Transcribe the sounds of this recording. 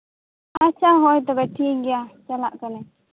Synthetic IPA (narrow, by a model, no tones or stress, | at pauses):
at͡ʃaɦɔjt̪ɔbɛʈʰiɡɛjat͡ʃalaʔkanɛ